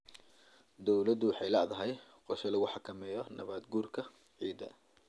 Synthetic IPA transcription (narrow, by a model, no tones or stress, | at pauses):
d̪ɔwlɐd̪ʊwɑħɑjlɐ̰ʔðɐɦɛjqɔʃɐlɐɣʊħɑkʰɐmɛːjɔnɐ̰βaːd̪ɡuːrkʰɐ | ʕiːd̪ɐ̰